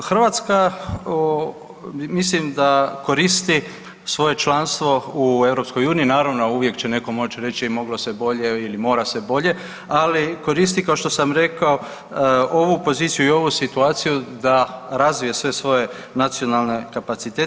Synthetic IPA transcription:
xr̩ʋat̪skao | mislimd̪ako̞ɾist̪i | sʋo̞je̞t͡ʃlˠanst̪ʋo̞ue̞ʋɾo̞psko̞juːniinaːɾaʋno̞uʋje̞kt͡ɕe̞ne̞ko̞mo̞t͡ʃɾe̞t͡ʃimo̞ɡlo̞sebo̞ʎe̞ilimo̞ːɾasʋebo̞ʎe̞ | aliko̞ɾis̬t̪ikaoʃt̪o̞samɾe̞kao̞ | o̞ʋupo̞ziːt̪sijuio̞ʋusit̪uaːt̪sijud̪aɾazʋijesʋe̞sʋo̞je̞ | nat̪sio̞nalˠne̞kapat̪sit̪e

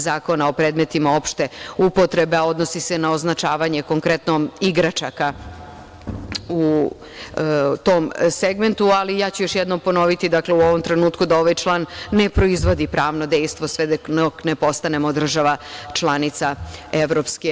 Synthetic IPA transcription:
zaːko̞nao̞pɾed̪me̞t̪imao̞pʃt̪e̞upo̞t̪ɾe̞beao̞d̪no̞sisenao̞znat͡ʃaːʋaɲe̞ko̞ŋkɾe̞t̪nomiɡɾat͡ʃaka | u | t̪omseɡme̞nt̪ualijaːt͡ɕujo̞ʃjed̪nompo̞no̞ʋit̪id̪akleuo̞ʋomt̪ɾe̞nuːt̪kud̪ao̞ʋajt͡ʃlˠaːnːe̞pɾoizʋo̞d̪ipɾaːʋnod̪ejst̪ʋosʋed̪onokne̞po̞st̪ane̞mo̞d̪r̩ʒaʋat͡ʃlˠanit̪saeʋɾopske

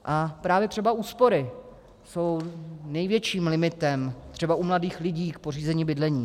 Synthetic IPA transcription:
ʔapɾaːvjɛt̪r̝̥ɛbauːspo̞ɾɪ | so̞wnɛjvjɛt͡ʃiːmlɪmɪt̪ɛmt̪r̥ɛbaʔumladiːxlɪɟiːkpo̞r̝iːzɛɲibɪdlɛɲiː

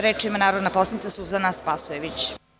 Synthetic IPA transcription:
ɾeːt͡ʃimanaːɾod̪naposanit̪sasuzanaspasujeʋit͡ɕ

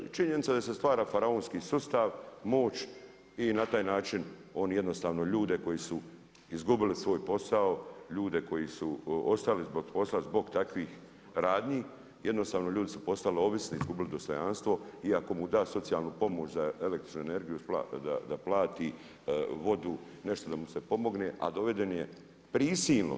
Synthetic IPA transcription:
t͡ʃiɲenitsad̪asest̪ʋaːɾaːfaɾaoːnskiːsust̪aʋmo̞ːt͡ʃ | inat̪aːjnaːt͡ʃin | o̞njed̪no̞st̪aːʋno̞ʎuːd̪e̞ko̞jisu | izɡubilisʋo̞ːjpo̞saoʎuːd̪e̞ko̞jisuo̞st̪alizboɡpo̞slazbo̞ɡt̪akʋiːx | ɾaːd̪ɲiː | je̞d̪no̞st̪aːʋno̞ʎuːd̪isu̥po̞st̪aleo̞ʋisniizɡubilid̪ost̪o̞janst̪ʋo̞iako̞mud̪aːso̞t̪sijaːlˠnuːpo̞moːt͡ʃzae̞lekt̪ɾi̥t͡ʃnuene̞ɾɡijupla̰d̪a̰d̪aplˠaːt̪i | ʋo̞d̪u | ne̞ʃt̪o̞d̪amuse̞po̞mo̞ɡneʔa̰d̪o̞ʋe̞d̪e̞nje | pɾiːsiːlno̰

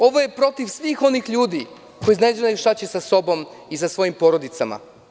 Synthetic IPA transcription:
o̞ʋoje̞pɾo̞t̪iʋsʋixo̞nixʎuːd̪i | ko̞jiznad͡ʒnajuʃt̪at͡ɕesaso̞bo̞misasʋo̞jimpo̞ɾo̞d̪it̪sama̰

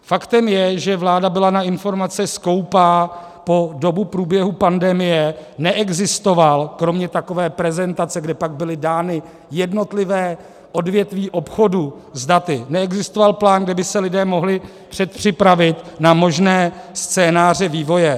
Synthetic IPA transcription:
fakt̪ɛmjɛʒɛvlaːdabɪlanaɪnfo̞ɾmat͡sɪsko̞wpaː | po̞do̞bupɾuːbjɛɦupandɛmɪjɛnɛʔɛɡzɪst̪o̞valkɾo̞mɲɛt̪ako̞vɛːpɾɛzɛnt̪at͡sɛɡdɛpaɡ̚bɪlɪdaːnɪ | jɛdno̞t̪lɪvɛː | ʔo̞dvjɛt̪viːʔo̞pxo̞du | zdat̪ɪnɛɛɡzɪst̪ovalplaːnɡdɛbɪsɛlɪdɛːmo̞ɦlɪ | pr̝̥ɛt̪̚pr̝̥ɪpɾavɪt̪namo̞ʒnɛːst͡sɛːnaːr̝ɛviːvo̞jɛ

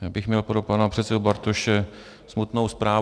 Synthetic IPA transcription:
jaːbɪxmɲɛlpɾopanapr̝̥ɛt̪sɛdubaɾt̪oʃɛ | smut̪no̞wspɾaː

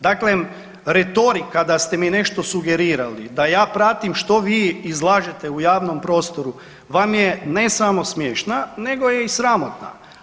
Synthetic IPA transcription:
d̪akle | ɾet̪o̞ɾikːad̪ast̪e̞mine̞ʃt̪o̞suɡe̞ɾiːɾalḭd̪ajaːpɾat̪imʃt̪o̞ʋiːizlˠaːʒet̪eujaːʋnompɾo̞ːst̪o̞ɾu | ʋamjene̞samo̞smjeːʃnane̞ɡo̞jeisɾamot̪na̰

